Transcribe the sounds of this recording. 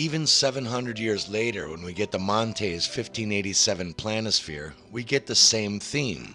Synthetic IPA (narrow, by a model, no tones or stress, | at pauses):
ivɨ̃nsɛvɨ̃nɦʌ̃ndɹɨdjɪɹzleɪɾə̰˞wə̃nwiɡɛt̪̚ðəmɑ̃ntʰeɪz̥fɪftʰĩneɪɾisɛvɨ̃npʰl̥ænɨsfɪ̰ɹ | wiɡɛt̪̚ðɨsẽɪ̃mθĩm